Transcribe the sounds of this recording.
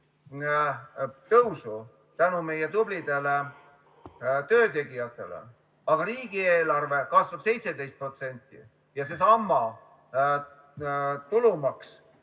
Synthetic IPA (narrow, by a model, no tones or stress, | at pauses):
t̪ɤwsu | t̪ænume̞jet̪ublid̪̥e̞le | t̪ø̞ːt̪e̞ɡijɑt̪ˑːe̞lḛ | ɑɡ̥ɑɾiːɡ̥ieːlɑrve̞kɑsvɑb̥se̞jt̪se̞d̪e̞jst̪̚pro̞t̪se̞nʲt̪ːˑḭ | jɑses̬ɑmːɑ | t̪ulumɑks